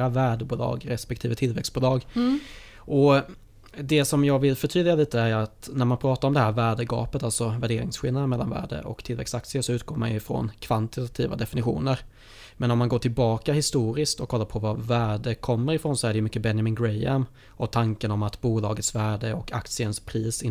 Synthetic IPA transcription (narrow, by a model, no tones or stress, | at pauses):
avæːɖəbuːlɑ̰ːɡɾɛspɛk̚t̪ʰiːvət̪ʰɪlvɛksbuːlɑːɡ | ʔɔ | d̪ɛsɔmjɑːɡvɪlfœʈʰyːdlɪɡaliːt̪əæjat̪næɾmanpʰɾɑːt̪aɾɔmd̪ɛhæːɾvæːɖəɡɑ̰ːpət̪alt̪sɔvæɖeːɾɪŋsɧɪlad̪ənmɛlːanvæ̰ːɖə̰ʔɔ̰kt̪ʰɪlvɛ̰ksak̚t̪sɪəʂɔʉ̟ːt̪ɡoːma̰njɵɪfɾɔ̰nkʰvant̪ɪt̪at̪ʰiːva̰d̪ɛfɪnɪɧṵːnəɾ | mɛnɔmːanɡoːʈʰɪlbɑːkahɪst̪uːɾɪskt̪ɔkʰːɔlːaɾpʰɔvavæːɖəkʰɔmːəɾɪfɾoːnsɔæɖɛjɵmʏkːəbɛnjamɪnɡɾɛjam | ʔɔt̪ʰaŋkənɔmat̪buːlɑːɡət̪svæːɖəɔkʰa̰kt̪sɪənspʰɾiːsɪ